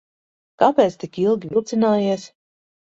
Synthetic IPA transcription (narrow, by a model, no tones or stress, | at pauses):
kapʲɛːt̪st̪ikilˠɡʲivʲilˠt̪sinaːjiɛs